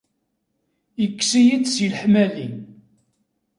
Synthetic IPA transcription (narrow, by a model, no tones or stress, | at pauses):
jəkːsijid̪silħmælin